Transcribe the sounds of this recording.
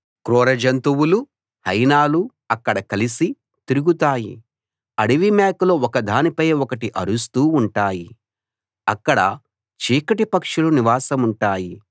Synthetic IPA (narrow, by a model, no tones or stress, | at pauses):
kɾoːɾɐd͡ʒɐnt̪uwulu | hɐjnaːlu | ɐkːɐɽɐkɐlisi | t̪iɾuɡut̪aːjḭ | ɐɽiʋimaːkloːɔkɐd̪ʱaːnipɐjɔkɐʈiʔɐ̰ɾus̬t̪uːɳʈaːji | ɐkːɐɽɐ | t͡ʃiːkɐʈipɐkʂuluniʋaːsɐmuɳʈaːji